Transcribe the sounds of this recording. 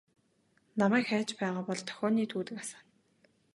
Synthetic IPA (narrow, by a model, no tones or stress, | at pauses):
namæːkxæːt͡ɕpæːʁaːpɔɮt̪ʰœ̥xʲɔːniːt̪ʰuːt̪ɘ̆kḁsə̆n